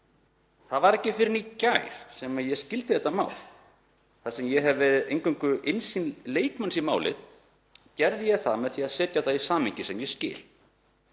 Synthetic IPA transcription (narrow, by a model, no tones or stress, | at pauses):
θaðvaɾɛcːɪfɪɾɪnicajɾ̥sɛmaðjɛscɪlt̪ɪθɛht̪ːama̰ːwl | θasɛmjɛɦɛvvɛɾɪðejŋkʏŋkʏʔɪnsinleːjkmansimaːwlɪ̰ð | cɛɾðɪjɛɣθaðmɛðθiaðsɛːt̪jaθaðisaːmɪɲcɪsɛmjɛscɪ̰ːl̥